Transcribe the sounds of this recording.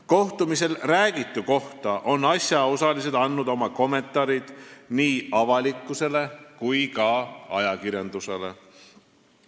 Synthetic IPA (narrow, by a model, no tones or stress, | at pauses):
ko̞ht̪umise̞lræːɡ̥it̪ːˑuko̞ht̪ɑʔo̞nːɑsjɑo̞sɑlis̬e̞d̪ɑnːud̪o̞mɑko̞mːe̞nt̪ˑɑɾid̪̥niːɑvɑlikːˑuse̞le̞kujkɑɑjɑkiɾjɑnd̪use̞le̞